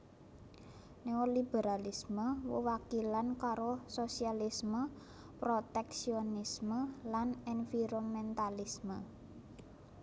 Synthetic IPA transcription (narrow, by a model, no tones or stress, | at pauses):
newɔlib̥eɾalisməwə̰wakilankaɾososialismə | pɾot̪ɛksionisməlanɛnfiɾomɛnt̪alismə